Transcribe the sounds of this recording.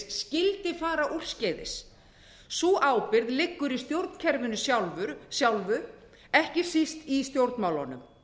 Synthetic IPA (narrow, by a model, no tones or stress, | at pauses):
scɪlt̪ɪfaːɾaʔur̥scɛːðɪ̰s | suːʔaːwpɪɾðlɪkːʏɾist̪jowɾt̪n̥cʰɛɾvɪnːʏsjawlvʏɾsjawlvʏ | ɛhcɪsist̪ist̪jowɾt̪nmaːwlɔ̰nʏ̰m